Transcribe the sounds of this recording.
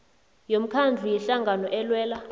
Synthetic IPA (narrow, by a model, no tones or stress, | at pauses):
jom̩kʰand͡ɮʱujɛɬaŋɡʱanɔʔɛlwɛːla